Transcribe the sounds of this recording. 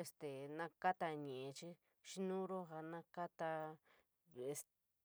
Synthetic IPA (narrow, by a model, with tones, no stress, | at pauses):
e˧st̪e˨nã˧ka˦t̪a˧ɲẽ˨ʔẽ˧t͡ʃi˦ | ʃi˦nũ˦ɾo˦ɦa˧nã˦ka˦t̪a˧ | e˧s